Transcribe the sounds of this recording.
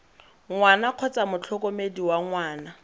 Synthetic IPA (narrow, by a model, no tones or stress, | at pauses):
ŋwanaq͡χʰɔt͡samʊt͡ɬʰɔkʼɔmediwaŋwaːna